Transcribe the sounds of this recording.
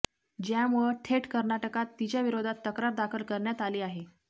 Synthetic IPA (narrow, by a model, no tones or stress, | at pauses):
d͡ʑjamuəʈʰeʈkəɾnaʈəkat̪ːit͡ɕjaʋiɾod̪ʱat̪ːəkɾaɾd̪akʰəlkəɾɳjat̪aliːaɦe